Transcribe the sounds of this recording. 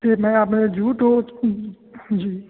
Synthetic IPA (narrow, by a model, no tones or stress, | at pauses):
eːmɛ̃aːpned͡ʒʱuːʈɦo | d͡ʒiː